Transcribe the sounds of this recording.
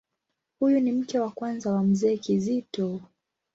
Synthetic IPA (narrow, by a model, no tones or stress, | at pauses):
hujunim̩kɛwakwanzawam̩zɛːkizitɔ